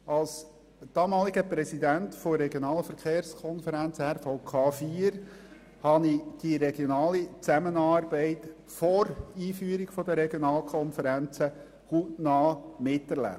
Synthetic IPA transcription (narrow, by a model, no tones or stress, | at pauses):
ɑls | d̥ɑːmɑːliɡəpɾɛsidæntfɔɾɛɡjonɑːləfəɾkeːɾskʰɔnfəɾænt͡shæɾfɔʊkʰɑːfiəɾ | hɑnid̥iɾɛɡjonɑːlit͡sæmənɑːɾbɛɪt | foɾiːfyːɾiɡ̥fɔd̪əɾɛɡjonɑːlkʰχɔnfəɾænt͡sə | huːtnɑːmɪtːɛɾlæ̰p̚t